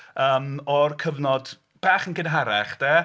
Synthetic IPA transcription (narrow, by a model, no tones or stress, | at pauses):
əːmɔrkʰəvnɔd | b̥aːχənkɪnɦaɾɛχd̥ɛː